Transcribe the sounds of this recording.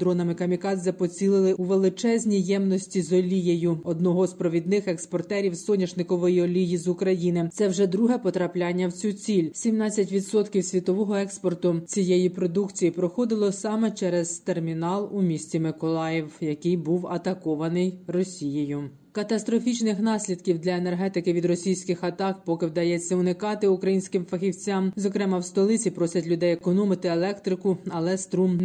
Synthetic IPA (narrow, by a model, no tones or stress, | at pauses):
d̪ɾɔnɐmɪkɐmʲikɑzʲɐpɔt͡sʲilˠɪlˠɪuʋelˠɪt͡ʃɛzʲnʲijɛmnɔsʲtʲizɔlʲijejʊɔd̪nɔɦɔzpɾɔʋʲid̪nɪxɛkspɔrt̪ɛɾʲiwsɔnʲɐʒnɪkɔʋɔjiɔlʲijizʊkɾɐjinɪt̪ɛwʒɛd̪ɾuɦɛpɔt̪ɾɐplʲɑnʲːɐwt͡sʲut͡sʲilʲsʲimnɑt͡sʲːɐtʲʋʲid̪sɔt̪kʲiwsʲʋʲit̪ɔʋɔɦɔɛkspɔrt̪ʊt͡sʲijejipɾɔd̪ukt͡sʲijipɾɔxɔd̪ɪlˠɔsɑmɛt͡ʃɛɾɛzt̪ermʲinɑlˠumʲisʲt͡sʲimɪkɔlˠɑjɪwjɐkɪjbuwɐt̪ɐkɔʋɐnɪjrɔsʲijɪjʊ | kɐt̪ɐst̪ɾɔfʲit͡ʃnɪxnɑsʲlʲid̪kʲiwd̪lʲɐenerɦɛt̪ɪkɪʋʲid̪rɔsʲijsʲkɪxɐt̪ɑkpɔkɪwd̪ɐjɛt͡sʲːɐʊnɪkɑt̪ɪʊkɾɐjinʲsʲkɪmfɐxʲiwt͡sʲamzɔkɾɛmɐwst̪ɔlˠɪt͡sʲipɾɔsʲɐtʲlʲʊd̪ɛjekɔnɔmɪt̪ɪelˠɛkt̪ɾɪkʊɐlˠɛst̪ɾum